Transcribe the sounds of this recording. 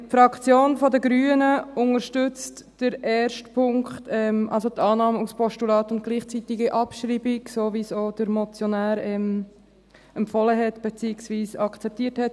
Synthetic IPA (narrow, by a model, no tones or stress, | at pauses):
tfɾɑkt͡sjoːnfɔdəɡɾyːənəʊŋəɾʃtʉt͡st | d̥əɾɛːɾʃtpʰʊŋkχtɛmʔɑ̰lsot̪ʰɑːnɑːməuspʰɔʃtulɑːtʊntɡ̥liːχt͡sitiɡiʔɑpʃɾiːbiɡsoːʋiːsod̥əɾmɔt͡sjonæːɾɛm | ɛmpfɔləɦɛtb̥et͡siːɪksviːsɑkt͡sɛp̚tiːəthɛt